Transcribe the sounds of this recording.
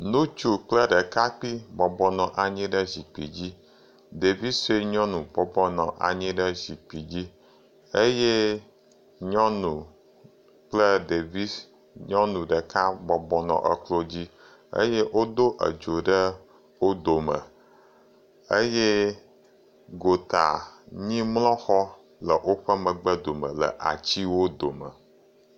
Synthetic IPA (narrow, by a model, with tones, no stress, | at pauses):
nũ˦t͡ʃu˨k͡plə˦ɖə˨ka˦k͡pi˦bɔ˨bɔ˦nɔ̃˨ʔa˨ɲĩ˦ɖə˦zi˨k͡pḭ˨d͡ʑi˦ | de˨vi˦se˦ɲɔ̃˦nũ˨bɔ˨bɔ˦nɔ̰̃˨ʔa̰˨ɲĩ˦ɖə˦zi˨k͡pi˨d͡ʑi˦ | e˦je˦ | ɲɔ̃˦nũ˨ | k͡plə˦ɖe˨vi˦ | ɲɔ̃˦nũ˨ɖə˨ka˦bɔ˦bɔ˦nɔ̰̃˨ʔə˦klo˦d͡ʑi˦ | ə̰˦je˦wo˦d̪o˦ʔə̰˨d͡ʒo˨ɖə˦ | wo˦d̪o˨mə̃˨ | ə˦je˦ | ɡo˨t̪a̰˨ɲĩ˦mlɔ̃˦xɔ˦ | lə˨ʔo˦ɸə˦mə̃˨ɡ͡bə˦d̪o˨mə̰̃˨lə̰˨ʔa̰˨t͡ɕi˦wo˦d̪o˨mə̰˨